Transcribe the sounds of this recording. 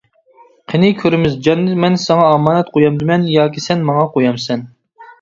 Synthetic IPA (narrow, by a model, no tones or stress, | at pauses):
qʰenɪkʲʰøɾɪmɪzd͡ʒɑnːɨmɛnsɑŋɑːmɑːnɛt̪qʰojɑmd̪ɪmɛnjɑːkʲisɛnmɑŋɑqʰojɑmsɛn